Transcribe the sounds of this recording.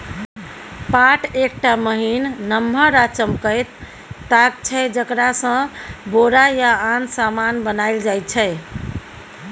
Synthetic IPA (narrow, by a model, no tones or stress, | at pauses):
paʈʰek̚ʈaməɦinːəmɦəɾat͡ʃəmkət̪ː | aɡ̚t͡ʃʰəɪd͡ʒəkɾasə̃boɾajaansamanbənaɪld͡ʒajt̪t͡ʃʰəɪ